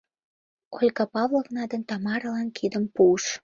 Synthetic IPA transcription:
kolʲkɑpɑvlovnɑd̪ənt̪ɑmɑɾəlɑnkʰid̪əmpuəʃ

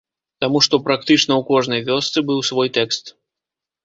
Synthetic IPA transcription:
t̪amuʂt̪ɔpɾak̚t̪ɨt͡ʂnɐwkɔʐnɐjvʲɔst̪sɨbɨwsvɔjt̪ɛkst̪

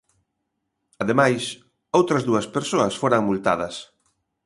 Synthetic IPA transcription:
ɐðemajs | owt̪ɾɐzðuɐspeɾsoɐsfoɾɐŋmult̪a̰ð̞ɐs

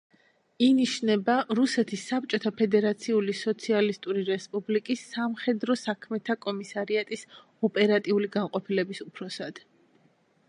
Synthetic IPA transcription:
iniʃnɛbaɾusɛt̪ʰisːap̚t͡ʃʼɔt̪ʰapʰɛd̪ɛɾat̪sʰiulisɔt̪sʰialist̪ʼuɾiɾɛspʼublikʼisːamχɛd̪ɾɔsakʰmɛt̪ʰakʼɔmisaɾiat̪ʼis | ɔpʼɛɾat̪ʼiuliɡanqʼɔpʰilɛbisupʰɾɔsad̪̥

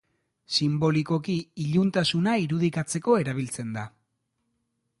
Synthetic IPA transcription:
simbo̞liko̞kiːʎunt̪asunaiɾuðikat͡se̞ko̞e̞ɾaβ̞ilt͡se̞nd̪a

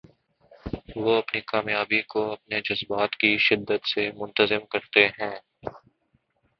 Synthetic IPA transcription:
ʋoɐpnikaːmjaːbikoɐp̚ned͡ʒɐzbaːt̪kiʃɪd̪ːət̪semʊ̃nt̪əzɪmkɐɾt̪eɦɛ̃ː

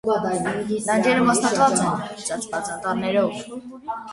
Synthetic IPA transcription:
d̪ɑnd͡ʒɛɾəmɑst̪ɑt̪vɑt͡sɛnt͡ʃɑt͡sbɑt͡sʰɑt̪ɑnɛɾɔv

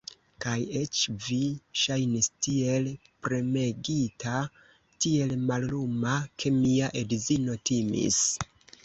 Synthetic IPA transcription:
kaje̞t͡ʃviʃajnistie̞lpɾe̞me̞ɡita | tie̞lmallumakʰe̞miaʔedzino̞timḭs

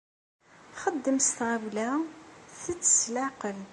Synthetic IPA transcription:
χəd̪ːəmst̪ʁæwlæθət͡sːə̥slaqəl

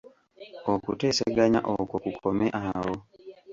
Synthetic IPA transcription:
okuteseɡaɲa̰ʔokwokukʰomeʔawo

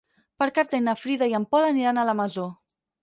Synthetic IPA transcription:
pəɾkaɾ̚t̪ajnəfɾiðaiəmpɔləniɾanələməzo

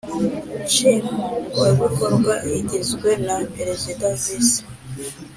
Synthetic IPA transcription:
t͡ʃiŋueβukoɾɡwaiɟizɡwenapeɾezidazisḁ

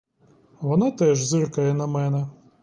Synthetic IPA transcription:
ʋɔnat̪ɛʒzɪrkɐjɛnɐmɛnɛ

